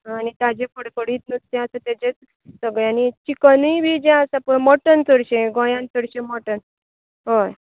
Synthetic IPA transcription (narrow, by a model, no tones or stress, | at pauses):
ɦanit̪ad͡ʑẽpəɽkəɽiːt̪̚nəst̪ẽəsə̃t̪ad͡ʑẽt͡s | səɡɭeanit͡ɕikənujbʱid͡ʑẽəsapəmɔʈənt͡səɽɕẽɡɔ̃jãnt͡səɽɕemɔʈən | ɦoj